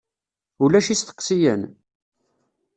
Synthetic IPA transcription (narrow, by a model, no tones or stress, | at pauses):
ulæʃisθə̥qːsijən